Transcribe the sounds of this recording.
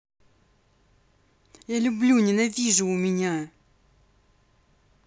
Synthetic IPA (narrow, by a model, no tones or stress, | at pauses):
jalʲublʲuɲenavʲiʐuwmɪɲa